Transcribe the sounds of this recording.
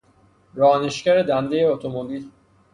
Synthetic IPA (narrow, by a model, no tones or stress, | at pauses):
ɾɒːne̞ʃcæɾed̪ænd̪e̞jeot̪ʰomobil